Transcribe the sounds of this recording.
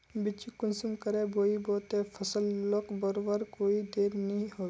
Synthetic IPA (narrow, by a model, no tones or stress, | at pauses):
bɪt͡ʃikʊnsumkəɾeboːiboːt̪epʰəsəlːokbəɾobəɾkoːid̪eːɾnɦĩɦoː